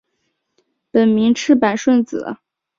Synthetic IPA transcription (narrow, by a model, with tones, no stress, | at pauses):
pə˨˩nmi˧˥ŋʈ͡ʂʰɻ̩˥˩pa˨˩nʂwə˥˩nt͡sɹ̩˨˩˦